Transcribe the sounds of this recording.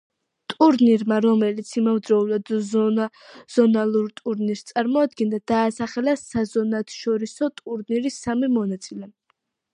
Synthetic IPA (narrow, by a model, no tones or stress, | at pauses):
t̪ʼuɾniɾmaɾɔmɛlit̪sʰimavd̪ɾɔulad̪ | z̥ɔnalˠuɾt̪ʼuɾniɾst̪sʼaɾmɔad̪ɡɛnd̪ad̪̥aːsaχɛlasazɔnat̪ʰʃɔɾisɔt̪ʼuɾniɾisamimɔnat̪sʼilɛ